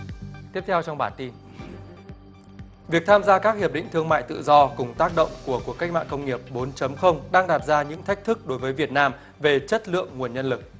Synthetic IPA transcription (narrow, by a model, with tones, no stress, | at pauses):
t̪i˦˥əp̚t̪ʰɛ˧wt͡ɕɔ˧wŋ͡mɓaː˧˩nt̪i˧n | vi˨˩ək̚t̪ʰaː˧mzaː˧kaː˦˥k̚hi˨˩əp̚ɗḭ̈˧˨ŋ̟t̪ʰɨ˧əŋma̰ː˧˨jt̪ɨ̰˧˨zɔ˧kʊ˨˩ŋ͡mt̪aː˦˥k̚ɗə̰˧˨wŋ͡mku˧˩əku˨˩əkːa˦˥k̚ma̰ː˧˨kə˧wŋ͡mŋi˨˩əp̚ɓo˨˦nt͡ɕə˨˦mxə˧wŋ͡mɗaː˧ŋɗaː˨˩t̚zaː˧ɲɨ̰˧˥ŋt̪ʰa˦˥k̟̚t̪ʰɨ˦˥k̚ɗo˨˦jvəː˨˦jvi˨˩ət̚naː˧m | ve˨˩t͡ɕə˦˥t̚lɨ̰˧˨əŋːu˨˩ənɲə˧nlɨ˨˩k̚